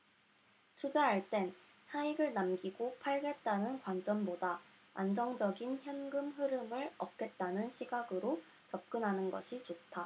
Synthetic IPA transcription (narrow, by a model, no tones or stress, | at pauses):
t͡ɕʰud͡ʑaaɭt͈e̞n | sʰaiɡɯɭnamɡiɡopʰaɭɡe̞t̚t͈anɯnkwand͡ʑ͈ʌnbodaa̰nd͡ʑʌŋd͡ʑʌɡinçjʌnɡɯmɸɯɾɯmɯɭʌ̰p̚k͈e̞t̚t͈anɯnɕʰiɡaɡɯɾo | t͡ɕʌp̚k͈ɯnɦanɯnɡʌ̰ɕʰit͡ɕotʰa